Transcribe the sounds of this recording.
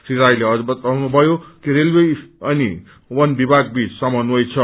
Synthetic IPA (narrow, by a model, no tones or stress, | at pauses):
siɾajleʌd͡zbʌt̪ʌnubʱʌjokiɾelweʌnḭ | wʌnbibʱaɡbit͡ssʌmʌnuʌjt͡sʰʌ